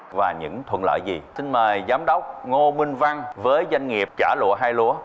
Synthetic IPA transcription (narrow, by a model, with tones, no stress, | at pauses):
vaː˨˩ɲɨ̰˧˥ŋt̪ʰwə̰˧˨nlə̰ː˧˨jzi˨˩si˧nməː˨˩jzaː˨˦mɗə˦˥wk͡p̚ŋo˧mï˧ŋ̟va˧ŋvəː˨˦jzwa˧jŋ̟ŋi˨˩əp̚t͡ɕaː˧˩lṵ˧˨əɦaː˧jlṵ˧˥ə